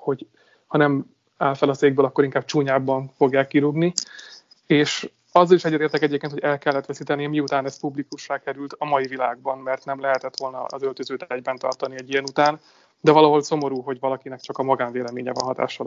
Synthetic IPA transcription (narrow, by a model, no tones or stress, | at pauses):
ho̞ɟ | hɒnɛm | aːlfɛlɒseːɡ̚bøːlɒkːo̞ɾiŋkaːb̚t͡ʃuːɲaːbːɒɱfo̞ɡjaːkːiɾuɡni | eːʃ | ɒzːɒliʃɛɟːɛt̪eːrt̪ɛkɛɟeːpkeːnt̪hoɛlkɛlːɛt̪ʋɛsiːt̪ɛniɛmiut̪aːnɛspublikuʃraːkɛɾylt̪ɒmɒjivilaːɡ̚bɒnmɛrt̪nɛmlɛɦɛt̪ɛt̪ʋo̞lnɒ̰ːzølt̪øzøːt̪ɛɾɛɟbɛnt̪ɒ̰rt̪ɒniɛɟijɛnut̪aːn | d̪ɛvɒlɒɦo̞lso̞mo̞ɾuːɦo̞ɟvɒlɒkinɛkt͡ʃɒkɒmɒɡaːɱveːlɛmeːɲɛ̰vɒ̰nɦɒt̪a̰ːʃɒl